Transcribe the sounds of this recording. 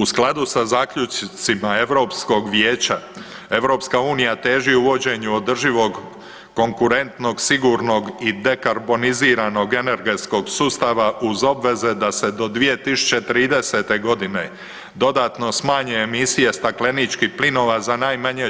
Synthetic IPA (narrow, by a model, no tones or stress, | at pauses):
usklˠad̪usazaːkʎut͡ʃt̪simae̞ʋɾo̞psko̞ɡʋjeːt͡ɕa | e̞ʋɾo̞ːpskauːnijat̪e̞ːʒiuʋo̞d͡ʑe̞ɲuod̪r̩ʒiʋo̞ɡː | o̞ŋkuɾe̞nt̪no̞ɡsiɡuɾno̞ɡid̪e̞kaɾbo̞niziːɾano̞ɡe̞ne̞ɾɡe̞t̪sko̞ɡsuːst̪aʋaʔuzo̞bʋe̞ze̞d̪ase̞d̪o̞d̪ʋije̞t̪isu̥t͡ɕe̞t̪ɾiːd̪e̞se̞t̪e̞ɡo̞d̪ine | d̪o̞d̪aːt̪no̞smaːɲeːmisije̞st̪akle̞nit͡ʃkihplino̞ʋazanaːjmaɲe̞